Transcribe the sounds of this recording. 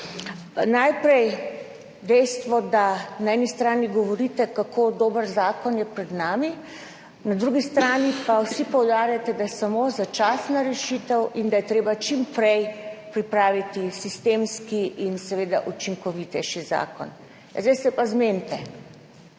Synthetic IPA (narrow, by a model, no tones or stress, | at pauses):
najpɾɛj | d̪ɛjst̪ʋɔd̪anaɛnist̪ɾaːniɡɔʋɔɾit̪ɛkakʰod̪oːbəɾzaːkɔnjɛpɾɛd̪naːmi | nad̪ɾuɡist̪ɾaːnipawsipɔwd̪aːɾjat̪ɛd̪ajɛsamozat͡ʃaːsnaɾɛʃit̪ɛwʔind̪ajɛt̪ɾeːbat͡ʃimpɾɛjpɾipɾaːʋit̪isist̪eːmskiʔinsɛʋeːd̪a̰ʔut͡ʃiŋkɔʋit̪ɛʃiza̰ːkɔ̰n | zd̪ɛjsɛpazment̪ɛ